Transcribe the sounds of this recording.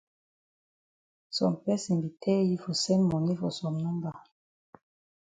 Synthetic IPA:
sɔ̰˨mpɛ˦sɛ̃˨mbi˨tʰɛ˦i˦fo˨sɛ˦nmɔ˨ni˦fo˨sɔ˨mnɔ̃˦mba˨

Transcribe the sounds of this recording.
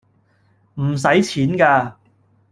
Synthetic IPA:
m̩˨˩s̬ɐ˨˥jt͡sʰiː˨˥nkaː˧

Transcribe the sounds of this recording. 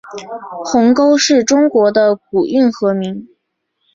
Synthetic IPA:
xʊ˧˥ŋko˥ʊʂɻ̩˥˩ʈ͡ʂʊ˥ŋkwɔ˧˥d̪ə˧k̚u˨˩y˥˩nxɤ˧˥mi˧˥ŋ

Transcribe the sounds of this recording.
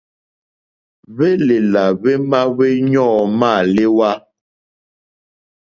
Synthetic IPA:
βe˦le˨la˨βe˦ma˦βe˦ɲɔ̃ː˦˨ma˦˨le˦wa˦

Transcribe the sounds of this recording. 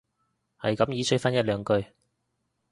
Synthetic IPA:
hɐ̰˨jkɐ˨˥mjiː˨˥t͡sʰɵ˨˥faː˥njɐ˥t̚lœː˨˧ŋkɵ˧ɥ

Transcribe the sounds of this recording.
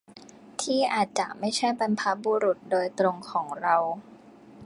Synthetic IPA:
t̪ʰiː˥˩ʔaː˨˩t̪̚t͡ɕa˨˩ʔma˥˩jt͡ɕʰa˥˩jpa˧npʰa˦˥buː˧ɾu˨˩t̪̚doː˧jt̪ɾo˧ŋkʰɔː˩˦ŋɾa˧w

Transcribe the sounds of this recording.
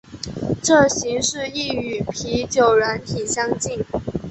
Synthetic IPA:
ʈ͡ʂɤ˥˩ɕi˧˥ŋʂɻ̩˥˧i˥˩y˨˩pʰi˧˥t͡ɕjo˨˩ʊɻa˧˥nt̪ʰi˨˩ɕjɑ˥ŋt͡ɕi˥˩n

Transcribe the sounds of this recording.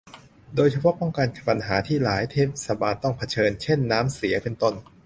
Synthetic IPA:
doː˧jt͡ɕʰa˧pʰɔ˦˥pɔ˥˩ŋkaː˧nkʰpa˧nɦaː˩˦t̪ʰiː˥˩laː˩˦jt̪ʰeː˦˥p̚sa˧baː˧nt̪ɔ˥˩ŋpʰa˧t͡ɕʰɤː˧nt͡ɕʰe˥˩nːaː˦˥msi˩˦ɐpe˧nt̪o˥˩n

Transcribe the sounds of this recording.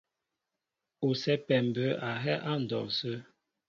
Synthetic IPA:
u˨sɛ˦pɛ˨m˨bə˨˦a˨ɦɛ˦ʔa˦n̩˨dɔ̰˨ŋ˨sə˦

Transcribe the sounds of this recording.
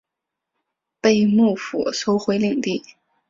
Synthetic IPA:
pe˥˧ɪmu˥˩fṵ˨˩ʂo˥ʊxwe˧˥ɪli˨˩ŋt̪i˥˩

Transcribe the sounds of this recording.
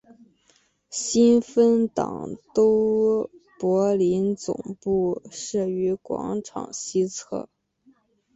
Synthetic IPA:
ɕi˥nfə˥nt̪ɑ̰˨˩ŋt̪o˥ʊ | pwɔ˧˥li˧˥nt͡sʊ̰˨˩ŋpu˥˩ʂɻ̩˥˩y˧˥kwɑ̰˧˥ŋʈ͡ʂʰɑ̰˨˩ŋɕi˥t͡sʰɤ̰˥˩

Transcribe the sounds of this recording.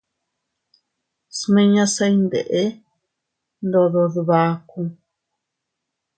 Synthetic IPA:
smẽ˧ɲã˧sa˧i˦nd̪ḛ˨ʔe˦ | nd̪o˧ðo˧ðu˧βa˧kũ˧

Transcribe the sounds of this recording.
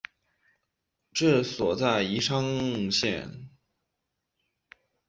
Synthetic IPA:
ʈ͡ʂɤ˥˩swɔ˨˩t͡sa˥˩ɪi˧˥ʂʰɑ˥ŋɕjɛ̰˥˧˩n

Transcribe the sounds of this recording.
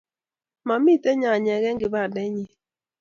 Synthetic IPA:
ma˨mi˦tɛ˦ɲa˨ɲɛ˨ɣɛ˦ŋɡɪ˨ba˦˨dɛ˦ɲi˦

